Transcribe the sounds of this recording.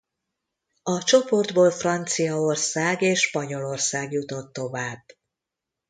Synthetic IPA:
ɒt͡ʃo̞po̞rd̪boːlfrɒnt̪sijɒo̞rsaːɡeːʃʃpɒɲo̞lo̞rsaːɡjut̪o̞t̪ːo̞vaːb̥

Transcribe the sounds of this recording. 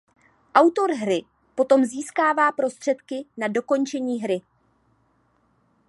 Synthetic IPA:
ʔawt̪o̞ɾɦɾɪ | po̞t̪o̞mziːskaːvaːpɾo̞st̪r̝̥ɛt̪kɪnado̞ko̞nt͡ʃɛɲiːɦɾɪ

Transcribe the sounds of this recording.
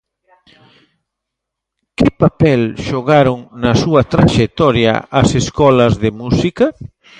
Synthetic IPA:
kɪpapɛlʃoɣaɾoŋnɐsuɐt̪ɾaʃek̚t̪ɔɾjɐ̰ɐseskɔlɐzðemusikɐ

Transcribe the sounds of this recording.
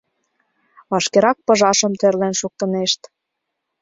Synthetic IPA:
βɑʃkeɾɑk̚pɤ̆ʒɑʃə̆mt̪ørlenʃuk̚t̪ə̆neʃt̪

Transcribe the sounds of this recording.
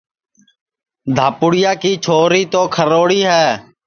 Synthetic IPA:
d̪ʱaːpʊɽɪjaːkiːt͡ʃʰoːɾiːt̪oːkʰəɾoːɽiːɦɛː

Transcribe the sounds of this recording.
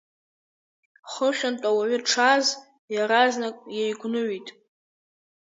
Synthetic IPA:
χəχʲʷᶣantʼawaɥʏʈ͡ʂʰaz | jaɾaznakʼjejɡʷnɨɥitʼ

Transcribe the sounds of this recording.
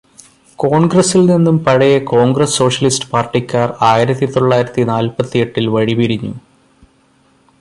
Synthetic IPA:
ko̞ːɳɡrɐsilninːumpɐɻɐjɐko̞ːŋɡrɐsːo̞ːʂɐlistɨ̥paːrʈːikʲːaːraːjiɾɐt̪ːit̪o̞ɭːaːjiɾɐt̪ːinaːlpɐt̪ːije̞ʈːilʋɐɻibiɾiɲːṵ

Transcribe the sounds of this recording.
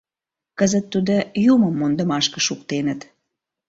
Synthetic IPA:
kəzət̪ːud̪ojuməmːond̪əmɑʃkəʃukt̪enət̪

